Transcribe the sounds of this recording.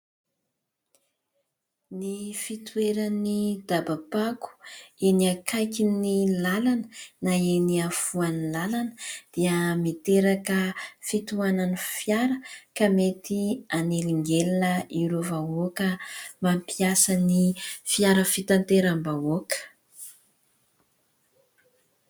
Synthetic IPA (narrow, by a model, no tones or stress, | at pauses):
nifit̪ueɾanid̪abapaku̥eniakʰajkinilalanənaeniafuanilalanəd̪̥iəmit̪eɾakəfit̪uananifjaɾəkamet̪ianeliŋɡelinəiɾovaokəmampiasanifiaɾəfit̪ant̪eɾambaokə̥